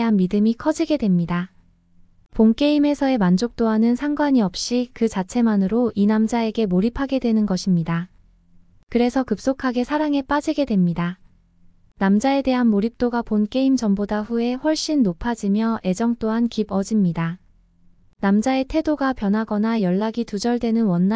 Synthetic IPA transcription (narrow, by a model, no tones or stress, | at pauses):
ɦanmidɯmikʰʌd͡ʑiɡe̞dwe̞mɲida | ponk͈e̞ime̞sʰʌe̞mand͡ʑok̚t͈oɦanɯnsʰaŋɡwaɲiʌp̚ɕ͈ikɯt͡ɕat͡ɕʰe̞manɯɾoinamd͡ʑae̞ɡe̞moɾipʰaɡe̞dwe̞nɯnɡʌɕʰimɲida | kɯɾe̞sʰʌkɯp̚s͈okʰaɡe̞sʰaɾaŋe̞p͈ad͡ʑiɡe̞dwe̞mɲida | namd͡ʑae̞de̞ɦanmoɾip̚t͈oɡaponk͈e̞imd͡ʑʌmbodaɸue̞ɸwʌɭɕ͈inːopʰad͡ʑimjʌʔe̞d͡ʑʌŋt͈oɦankibʌd͡ʑimɲida | namd͡ʑae̞tʰe̞doɡapjʌnɦaɡʌnajʌɭːaɡitud͡ʑʌɭdwe̞nɯnwʌnː